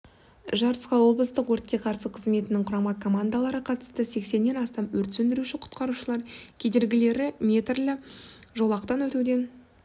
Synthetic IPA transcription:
ʒɑɾə̥sqɑwo̞blˠəst̪əqwoɾt̪̚kʲe̞qʰɑɾsəqʰəzme̞t̪ɪnɪŋqʰʊɾɑmʁɑkʰo̞mand̪alˠɑɾəqʰɑt̪əst̪əse̞kse̞nːe̞nɑst̪ɑmwɵɾt̪sɵnd̪ɪɾuʃɪqʰʊ̥t̪qɑɾuʃəlˠɑɾkʲʰe̞d̪e̞ɾɡʲɪle̞ɾɪmʲe̞t̪rlʲɪʒo̞lˠɑqt̪ɑnwɵt̪ud̪e̞n

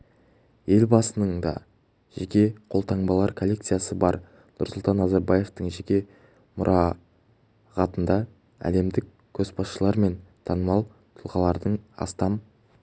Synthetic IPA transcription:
je̞lʲbɑsənəɴd̪ɑ̰ | ʒ̥ekʲe̞qʰo̞lˠt̪ʰɑɴbɑlˠɑɾkʰolʲːe̞kt̪sɨjasəbɑɾ | nʊɾsʊlˠt̪ɑnːɑzɑɾbɑje̞ft̪əɴʒekʲe̞ | mʊɾʔɑ | ʁɑt̪ənd̪ɑ | æ̰le̞md̪ɪk̚ʲ | kʲʰɵzbɑsʃəlˠɑɾme̞nt̪ʰɑnəmɑlˠ | t̪ʰʊlˠʁɑlˠɑɾd̪əɴɑ̰st̪ɑm

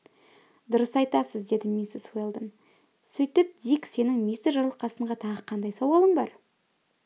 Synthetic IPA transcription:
d̪ʊɾəsɑjt̪ɑsəzd̪e̞d̪ɪmʲisɪswelˠd̪ən | sɵjt̪ɪp̚d̪ikse̞nɪŋmʲijsɪʒɑɾlˠəqːɑsəɴʁɑt̪ʰɑʁəqʰɑnd̪ɑjsɑwɑlˠəɴbɑɾ

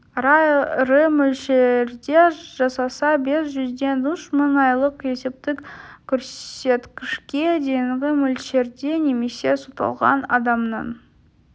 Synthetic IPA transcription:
ɾɑɾəmɵlʃeɾd̪e̞ʒ̥ɑsɑsɑbe̞sʒʏzd̪e̞nd̪ʊʃməɴɑjlˠəqe̞se̞p̚t̪ɪkkʲʰʏɾse̞t̪kʲɪʃkʲe̞d̪e̞jɪɴʁʲɪmɵlʃe̞ɾd̪e̞ne̞me̞se̞sut̪ɑ̰lˠʁɑ̰nɑd̪ɑmnɑ̰n

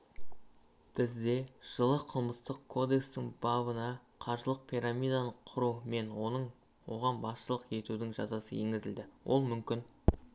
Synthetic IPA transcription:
b̥ɪzd̪e̞ʒ̥əlˠəqʰəlˠməst̪əqkʰo̞d̪e̞kst̪ɪŋbɑbənɑqʰɑɾʒəlˠəq̚pʰijɾamijd̪ɑnəqʰʊɾume̞nwonəɴ | wo̞̰ʁɑnbɑsʃəlˠəqje̞t̪ud̪ɪŋʒɑ̰zɑsəje̞ŋɡʲɪzɪld̪ɪwʔo̞̰lˠmʏmkʲɪn

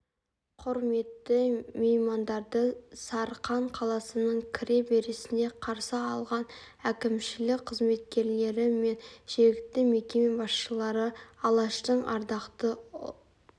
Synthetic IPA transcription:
qʰʊɾme̞t̪ːɪmejmɑnd̪ɑɾd̪əsɑɾqɑɴqʰɑlˠɑsənəɴkʲʰɪɾe̞be̞ɾɪsɪne̞qʰɑɾsəɑlˠʁɑn | ækʲɪmʃɪlɪk̚qʰəzme̞t̪̚kʲe̞ɾle̞ɾɪme̞nʒ̥eɡʲɪkt̪ːɪme̞kʲe̞me̞bɑsʃəlˠɑɾəɑlˠɑʃt̪əɴɑ̰ɾd̪ɑqt̪ə

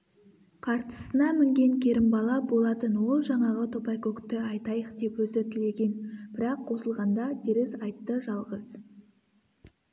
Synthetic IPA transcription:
qʰɑɾt̪ə̥sənɑmɪŋɡʲe̞ŋkʲʰe̞ɾɪmbɑlˠɑbo̞lˠɑt̪ənwo̞lˠʒɑɴɑʁət̪ʰo̞pɑjkokt̪ɪɑjt̪ɑjəqd̪e̞pwɵzɪt̪ɪle̞ɡʲe̞nb̥ɪɾɑqʰːo̞səlˠʁɑnd̪ɑd̪eɾɪsɑjt̪ːəʒɑlˠʁəz̥

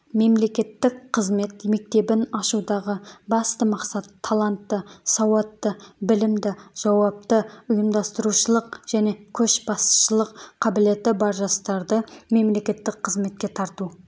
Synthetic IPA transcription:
me̞mle̞kʲe̞t̪ːɪkqʰːəzme̞t̪me̞k̚t̪e̞bɪnɑʃud̪ɑʁəbɑst̪əmɑqsɑt̪ʰːɑlˠant̪ːəsɑwɑt̪ːəbɪlɪmd̪ɪʒ̥ɑwɑp̚t̪əʊjəmd̪ɑst̪əɾuʃəlˠəqʒ̥æne̞kʲʰɵʃbɑst̪ə̥ʃəlˠəqqʰːɑbɪle̞t̪ɪbɑɾʒɑst̪ɑɾd̪əme̞mle̞kʲe̞t̪ːɪkqʰəzme̞t̪̚kʲe̞t̪ʰɑɾt̪u

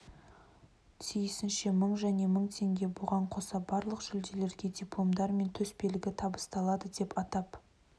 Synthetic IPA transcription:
t̪ʰijɪsɪnʃe̞məɴʒæne̞məɴt̪ʰe̞ŋɡʲe̞bʊʁɑɴqʰo̞sɑbɑɾlˠəqʒ̥ʏld̪e̞le̞ɾɡʲe̞d̪ʲiplˠo̞md̪ɑɾme̞nt̪ʰɵspe̞lɪɡʲɪt̪ʰɑbəst̪ɑlˠɑd̪əd̪e̞pɑt̪ɑp

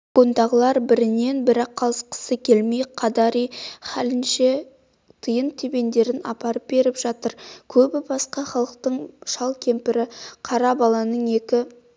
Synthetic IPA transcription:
ɡ̥ond̪ɑʁəlˠɑɾbɪɾɪne̞nbɪɾɑqʰːɑlˠəsqə̥səkʲʰe̞lmejqʰɑd̪ɑɾijχælɪnʃe̞ | t̪ʰəjənt̪ʰebe̞nd̪e̞ɾɪnɑ̰pɑɾəp̚be̞ɾɪpʒ̥ɑt̪əɾkʲʰɵbɪbɑsqɑχɑlˠəq̚t̪əɴʃɑlˠkʲʰe̞mpɪɾɪqʰɑɾɑbɑlˠɑnəɴe̞kʲɪ

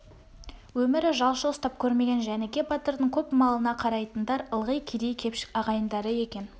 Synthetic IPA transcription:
wɵmɪɾɪʒɑlˠʃəəst̪ɑp̚kʲʰɵɾme̞ɡʲe̞nʒæneɡʲe̞bɑt̪əɾd̪əɴkʲʰɵpmɑlˠənɑqʰɑɾɑjt̪ənd̪ɑɾəlˠʁəjkʲʰed̪e̞jkʲʰe̞pʃɪ̥kɑʁɑjənd̪ɑɾəe̞kʲe̞n

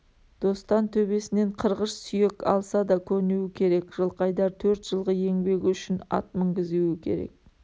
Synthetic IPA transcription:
d̪̥o̞st̪ɑnt̪ʰɵbe̞sɪne̞ɴqʰəɾʁəʃsʏje̞kɑ̰lˠsɑd̪ɑkʲʰɵɾnuwɪkʲʰe̞ɾe̞kʒəlˠqɑjd̪ɑɾt̪ʰɵɾt̪ʒ̥əlˠʁəje̞ŋbe̞ɡʲɪʏʃɪnɑ̰t̪̚məŋɡʲɪzuwɪkʲʰe̞̰ɾe̞̰k̚

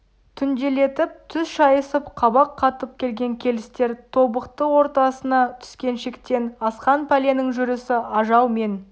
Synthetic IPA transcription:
t̪ʰʏnd̪ele̞t̪ɪp̚t̪ʰʏzʃɑjəsəpqʰɑbɑqʰːɑt̪əp̚kʲʰe̞lɡʲe̞ŋkʲʰe̞lɪst̪e̞ɾt̪ʰo̞bəqt̪əwo̞ɾt̪ɑsənɑt̪ʰʏ̥skʲe̞nʃe̞kt̪e̞nɑsqɑnpʰalʲe̞nɪŋʒʏɾɪsɪɑʒɑwme̞n

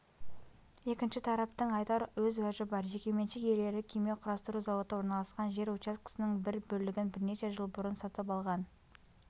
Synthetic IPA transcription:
e̞kʲɪnʃɪt̪ʰɑɾɑp̚t̪əɴɑjt̪ɑɾwɵzwæʒɪbɑɾʒekʲe̞me̞nʃɪkje̞le̞ɾɪkʲʰejmeqʰʊɾɑst̪əɾuzɑwo̞t̪əwo̞ɾnɑlˠɑsqɑnʒe̞ɾut͡ʃaskə̥sənɪŋbɪɾbɵlɪɡʲɪnbɪɾneʃe̞ʒəlˠbʊɾənsɑt̪əpɑlˠʁɑn

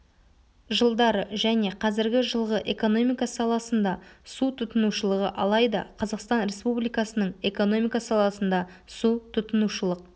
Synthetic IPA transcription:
ʒəlˠd̪ɑɾəʒæne̞qʰɑzɪɾɡʲɪʒəlˠʁəʔe̞ko̞no̞mijkɑsɑlˠɑsənd̪ɑsut̪ʰʊt̪ənuʃəlˠəʁə̰ʔɑlˠɑjd̪ɑ̰qʰɑzɑqst̪ɑnɾe̞spublijkɑsənəɴe̞ko̞no̞mijkɑsɑlˠɑsənd̪ɑ | sut̪ʰʊt̪ənuʃəlˠəq̚

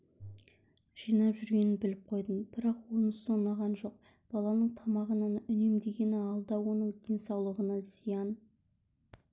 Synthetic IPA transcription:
ʒ̥ijnɑpʒʏɾɡʲe̞nɪnbɪlɪp̚qʰo̞jd̪ənb̥ɪɾɑqwonəsonːɑʁɑnʒo̞q̚ | b̥ɑlˠɑnəɴt̪ʰɑmɑʁənɑnʏne̞md̪e̞ɡʲe̞nɪɑlˠd̪ɑwo̞nəɴd̪̥e̞nsɑwlˠəʁənɑz̥ijɑn

